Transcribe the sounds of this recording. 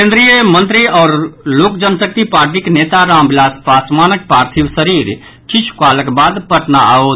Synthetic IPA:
kẽnd̪ɾijəmənt̪ɾiɔːɾlokd͡ʒənsək̚t̪ipaːɾʈ̬ikenet̪aɾaːmbilaːspaːsmanək̚pɾaːɾt̪ʰibsəɾiɾ | t͡ʃit͡ʃʰkaləkbad̪pəʈnaao

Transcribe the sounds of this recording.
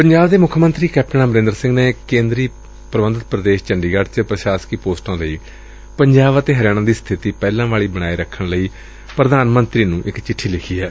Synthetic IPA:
pəɲd͡ʒaːbd̪eːmʊkʰmənt̪ɾiːkɛːp̚ʈəɳaːbəɾẽːnd̪əɾsɪ̃ŋɡneːkẽːnd̪ɾiː | pɾəʋənd̪ət̪̚pɾəd̪eːʃt͡ʃəɳɖiːɡaːɖt͡ʃəpɾəʃaːskiːpoːsʈãːləiː | pəɲd͡ʒaːʋət̪eːɦəɾjaːɽ̃ãːd̪iːst̪ʰɪt̪iːpɛːlãːʋaːɭiːbəɽaːiːɾəkʰːəɳləiː | pɾəd̪aːnmənt̪ɾiːnũːʔɪkt͡ʃɪʈʰːiːlɪkʰiːɛː

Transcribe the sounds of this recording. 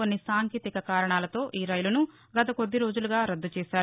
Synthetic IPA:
onːisaːŋkiːt̪ikɐkaːɾɐɳaːlɐt̪o̞ːʔiːɾɐjlunu | ɡɐt̪ɐko̞d̪ːiɾo̞ːd͡ʒuluɡaːɾɐd̪ːut͡ʃɛːʃaːɾu

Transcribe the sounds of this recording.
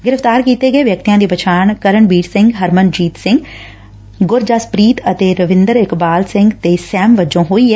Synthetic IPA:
ɡɪɾəft̪aːɾkiːt̪eɡəeːʋjək̚t̪ijãːd̪iːpət͡ʃʰaːɳkəɾəɳbiːɽsɪ̃ŋɡɦəɾmənd͡ʒiːt̪sɪ̃ŋɡ | ɡʊɾd͡ʒaːspɾiːt̪ət̪eːɾəʋɪ̃nd̪əɾɪkbaːlsɪ̃ŋɡt̪eːsɛːmʋəd͡ʒõːɦoːiɦɛː

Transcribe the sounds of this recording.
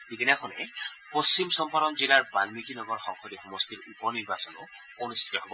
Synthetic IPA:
dibinakʰɔnɛpost͡ʃimsɔmpaɾɔnzilaɹbalmikinɔɡɔɹxɔŋxʰɔdixɔmɔstiɹupɔniɹbasɔnʊ | onust̪ʰi̥tɔɦobɔ

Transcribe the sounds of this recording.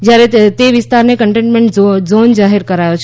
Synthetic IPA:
d͡ʒjaɾet̪eʋɪst̪aɾnekəɳʈẽɳʈmeɳʈzond͡ʒaɦiɾkəɾajot͡ʃʰ

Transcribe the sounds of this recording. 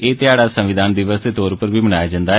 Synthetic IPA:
eːt̪ɪaːɽaːsəmʋɪd̪aːnd̪ɪʋəst̪eːt̪oːɾpəɾbiːmənaːjaːd͡ʒãːnd̪aː

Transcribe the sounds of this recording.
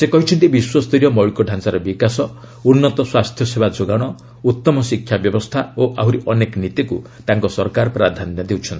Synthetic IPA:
sekɔɦit͡ʃʰɔnt̪ibiswɔst̪iɾjɔmɔjɭkɔɖʱansaɾɔbikasɔ | unːɔt̪ɔswast̪ʰjɔsebad͡ʒoɡaɽ̃ɔ | ut̪ːɔmɔsikʰːjabjɔbɔst̪ʰaoʔaɦuɾiʔɔneknit̪iku | t̪aŋkɔsɔɾkaɾɔpɾad̪ʱanjɔd̪ewt͡ʃʰɔnt̪i̥

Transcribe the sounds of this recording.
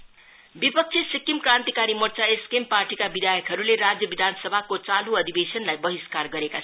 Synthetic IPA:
bipʌk̚t͡sʰisikːimkɾant̪ikaɾimʌrt͡saeskempaɾʈikabid̪ʱajəkɦʌɾuleɾad͡zjʌbid̪ʱanʌsʌbʱakot͡saluʌd̪ʱibesʌnlajbʌɦiskarɡʌɾeka

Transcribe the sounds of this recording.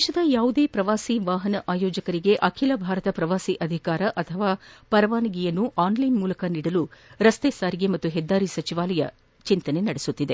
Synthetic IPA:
d̪eʃɐd̪ɐjaːʋud̪e̞ːpɾɐʋaːsiʋaːɦɐnɐʔaːjoːd͡ʒɐkɐɾiɡe̞ʔɐkʰilɐbʱaːɾɐt̪ɐpɾɐʋaːsiʔɐd̪ʱikaːɾɐʔɐt̪ʰɐʋaːpɐɾɐʋaːniɡijɐnːuʔaːnlɐjnmuːlɐkɐniːɽɐluɾɐst̪eːsaːɾiɡemɐt̪ːuɦɛd̪ːaːɾisɐt͡ʃiʋaːlɐjɐ̰ | t͡ʃint̪ɐnenɐɽesut̪ːid̪e

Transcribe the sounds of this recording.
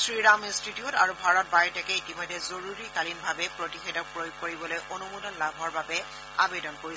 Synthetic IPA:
sɹiɹamestitiɔta̰ɹubʱaɹɔt̚bajtɛkɛitimɔjdʱːɛzoɹuɹikalinbʱabɛpɹotixɛdɔk̚pɹojoɡ̚koɹibɔlojʔonumudɔnlabʱɔɹbabɛ | a̰bedɔnkoɹi

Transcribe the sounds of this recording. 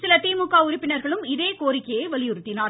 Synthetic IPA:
sɪlɐt̪iːmʊkːaːʊɾɪpːɪnɐɾɣɐɭɯmɪðeːkoːrɪkːɐjɐɪʋɐlɪjʊɾɯt̪ːɪnaːɾ

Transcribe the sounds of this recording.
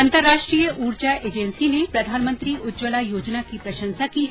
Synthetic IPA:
ənt̪əɾːaʂʈɾiːjəʔuːɾd͡ʒaʔed͡ʒensinepɾɐd̪ʱaːnmənt̪ɾiʊdd͡ʒwəlajoːd͡ʒnakipɾɐʃə̃nsakiː

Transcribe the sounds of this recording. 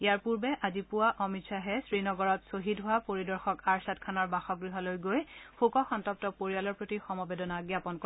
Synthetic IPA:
ijaɹpuɹbɛʔazipʊwaʔɔmitsaɦɛsɹinɔɡɔɹɔtsoɦitɦʊapoɹidɔɹxɔkaɹsatkʰanɔɹbaxɔɡɹiɦɔlojɡojxʰukɔxɔntɔp̚tɔpoɹijalɔɹpotixɔmɔbedɔnaɡjapɔnkɔ

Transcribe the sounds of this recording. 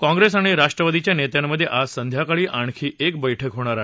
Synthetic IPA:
kɔ̃ŋɡɾesaɽ̃iɾaʂʈɾəʋad̪it͡ɕjanet̪jamːəd̪ʱːjeʔasənd̪ʱjakaɭiːʔaɳ̃kʰiːʔek̚bəjʈʰəkɦoɽ̃aɾaɦe

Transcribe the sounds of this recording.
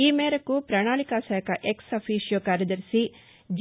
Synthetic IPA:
iːmeːɾɐkupɾaːɳaːɭikaːsaːkʰɐʔeksɐpʰiːʃjoːkaːɾjɐd̪ɐɾsi | d͡ʒ

